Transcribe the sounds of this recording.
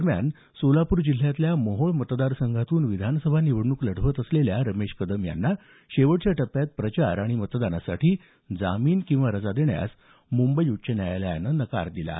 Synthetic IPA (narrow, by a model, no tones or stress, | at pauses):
əɾmja̰n | solapuːɾd͡ʑil̤ːjat̪ljaməɦoɭmət̪d̪aɾsəŋɡʱat̪uːnʋid̪ʱanəsəbʱaniʋəɽɳukləɽ̤əʋət̪əsleljaɾəmeɕkəd̪əmja̰nːa | ɕeʋəɽt͡ɕjaʈəpːjat̪̚pɾət͡ɕa̰ɾaɽ̃imət̪d̪anasaʈʰiː | d͡zamiːnkĩw̃ʋaɾəd͡zad̪eɳja̰s | mumbəiutːt͡ɕʰənajalaja̰nːənəka̰ɾd̪ila̰